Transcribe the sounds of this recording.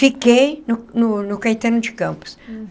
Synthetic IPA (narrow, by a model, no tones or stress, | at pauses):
fikejnʊnʊnʊkɐjt̪ẽnʊd͡ʒɪkɐ̃mpʊ̥s